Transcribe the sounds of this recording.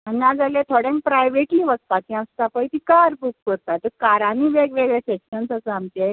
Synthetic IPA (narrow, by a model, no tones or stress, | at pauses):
ənjãd͡zalẽt̪ʰoɽẽŋk̚pɾajʋeʈliːʋəst̪akĩãst̪apəjt̪ikaɾbukkəɾt̪at̪əɾkaɾãniʋeɡʋeɡɭɛsekɕənsaambt̪e